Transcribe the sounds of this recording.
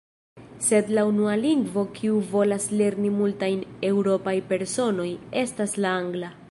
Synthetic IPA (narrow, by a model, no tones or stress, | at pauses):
se̞d̪launualiŋɡvo̞kʰiuvo̞lasle̞ɾnimultajne̞wɾo̞pajpe̞ɾso̞no̞je̞staslaaŋɡla